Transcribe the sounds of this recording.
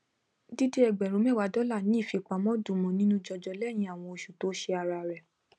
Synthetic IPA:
di˦de˦ɛ˧˨ɡ͡bɛ˨ɾũ˨˦mɛ̃˦˨wa˨˧˦dɔ˨˦la˦˨nĩ˨˦i˦˨fi˨˧k͡pa˨˦mɔ̃˦du˨mɔ̃˨˦nĩ˦nũ˦d͡ʒɔ˧d͡ʒɔ˧lɛ˦˨j̃ĩ˧˦a˨w̃ɔ̃˧o˧˨ʃu˨to˨˦ʃe˧a˧ɾa˧˨ɾɛ˨

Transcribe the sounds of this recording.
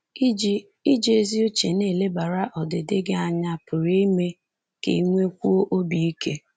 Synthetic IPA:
d͡ʒ | i˦d͡ʒe˦zi˦o˦t͡ʃe˨ne˦˨le˦ba˨ɾa˦ʔɔ˨dɪ˨dɪ˦ɡe˦a˦ɲa˦pʊ˨ɾi˦i˦me˦ | kḛ˨i˦ŋʷe˦kʷu˦o˦ʔo˦bi˨i˦kʰe˦

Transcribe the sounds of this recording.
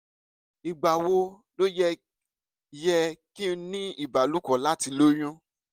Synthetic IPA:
i˨ɡ͡ba˨wo˧ | lo˦jɛ˦ | jɛ˧ki˦˧nĩ˦i˨ba˨lu˦kɔ̃˨la˦ti˧lo˦j̃ũ˦

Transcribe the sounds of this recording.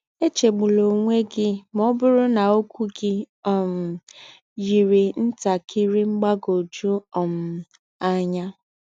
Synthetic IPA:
e˦t͡ʃe˨ɡ͡bʊ˨lo˨ŋʷe˦ɡɪ˦mɔ˦bʊ˦ɾʊ˦na˨o˦kʷu˦ɡɪ˦ | ɔ˦˨m̩˨ | ji˨ɾi˨n̩˦ta˨kʰɪ˦ɾɪ˦ŋ͡m̩˦ɡ͡ba˦ɡo˨d͡ʒu˦ɔ˨m̩˦ | a˦ɲa˦

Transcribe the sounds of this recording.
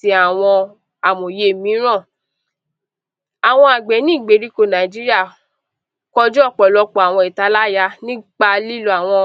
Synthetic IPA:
i˧˦a˨w̃ɔ̃˧ | a˨mõ˨je˧˦˨mĩ˨˦ɾ̃ã˦˨ | a˨w̃ɔ̃˧a˨ɡ͡bɛ˨˦nĩ˦˨ɡ͡be˨˦ɾi˦ko˦˧˨nã˨d͡ʒi˦ɾi˦a˦˨ | kɔ˧d͡ʒɔ˦˨k͡pɔ˨lɔ˧k͡pɔ˨a˨w̃ɔ̃˧i˨ta˨˦la˦˨ja˧nĩ˦ɡ͡ba˧li˦lu˧a˨w̃ɔ̃˧

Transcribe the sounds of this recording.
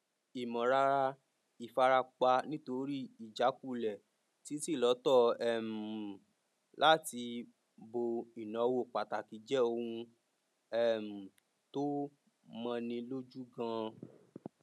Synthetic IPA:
i˨mɔ̃˨ɾa˧ɾa˧ | i˨fa˧ɾa˧k͡pa˧nĩ˦to˧ɾi˦i˨d͡ʒa˨˦ku˦˨lɛ˨ | ti˨˦si˦˨lɔ˨˦tɔ˦˨ɛ˦˨m̩˨ | lʔa˦ti˧ | bo˧i˨nã˨˦wo˦˨k͡pa˨ta˨ki˨˦d͡ʒɛ˦o˧hũ˧ | ɛ˦˨m̩˨ | to˦ | mã˧nĩ˧lo˦d͡ʒu˦ɡã˧

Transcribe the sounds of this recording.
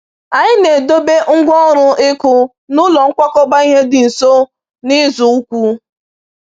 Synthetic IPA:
a˨ɲɪ˦ne˨do˦be˦ŋ̩˦ɡʷɔ˦ɾʊ˦ɪ˦kʊ˦ | nʊ˦lɔ˨ŋ̩˦kʷa˦kɔ˦ba˦i˦ɦe˦dɪ˨n̩˨so˦ | nɪ˦zʊ˨u˦kʷu˦

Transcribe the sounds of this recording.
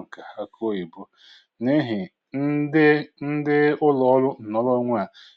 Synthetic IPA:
ka˨a˦kʰo˦i˨bʊ˦ | ne˦ɦɪ˨ | n̩˦dn̩˦dɪ˦ʊ˦lɔ˨˦ɔ˦lʊ˦˨nɔ˦lɔ˦ŋʷ˦a˦˨

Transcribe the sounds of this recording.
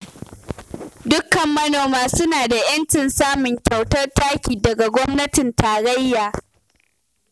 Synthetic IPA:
dʊ˦kːɐ˨mːɐ˦noː˨maː˦sʊ˦naː˨da˨j̰ɐ˦nt͡ʃɪ˨nsaː˦mʊ˨ŋkʲɐ˨wtɐ˦rtaː˦kʲiː˨dɐ˨ɡa˨ɡʷɔ˦mnɐ˦tɪ˨ntaː˨ɽɐ˦jːaː˨

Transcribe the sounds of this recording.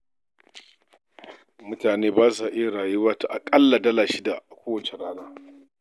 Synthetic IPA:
mʊ˦taː˨neː˦baː˦saː˨ʔe˦˨ɽaː˨ju˦waː˦ta˦ʔa˨kʼɐ˦lːa˨dɐ˦laː˨ʃi˦da˨kʷoː˦wɐ˨t͡ʃe˨ɾaː˦ɽaː˦

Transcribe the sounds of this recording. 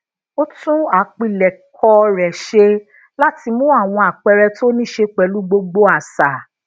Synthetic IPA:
o˦tũ˦a˨˦k͡pi˦˨lɛ˨kʰɔ˧ɾɛ˨ʃe˧ | la˦ti˧mũ˦a˦˨w̃ɔ̃˧a˨k͡pɛ˧ɾɛ˧to˦nĩ˦ʃe˧k͡pɛ˨˦lu˦ɡ͡bo˧ɡ͡bo˦a˦˨sa˨

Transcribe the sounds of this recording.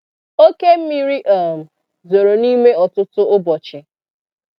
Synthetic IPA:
o˦ke˦m̩˦mi˦ɾi˦ʔa˦˨m̩˨ | zo˨ɾo˨ni˦me˦ɔ˨tʊ˦tʊ˦ʔʊ˦bɔ˨t͡ʃɪ˨

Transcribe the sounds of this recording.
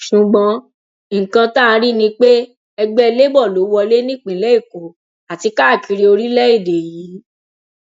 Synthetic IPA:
ʃũ˨ɡ͡bɔ̃˧˨ | kã˧tã˦˧ɾi˦nĩ˧k͡pe˦ | ɛ˧ɡ͡bɛ˦˧le˦bɔ˦˨lo˨˦wɔ˧le˦nĩ˦˨k͡pĩ˨˦lɛ˨˦i˦˨ko˨ | a˨ti˧ka˦˨ki˧ɾe˧o˧ɾi˦lɛ˦i˦˨de˨ji˨˦

